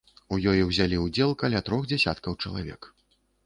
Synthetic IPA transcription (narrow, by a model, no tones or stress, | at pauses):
ujɔjiwzʲalʲiud͡zʲɛlˠkalʲat̪ɾɔɣd͡zʲɛsʲa̰t̪kɐwt͡ʂɐlˠavʲɛ̰k